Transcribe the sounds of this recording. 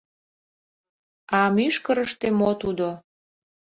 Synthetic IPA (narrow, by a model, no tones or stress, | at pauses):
ɑmyʃkəɾəʃt̪emot̪ud̪o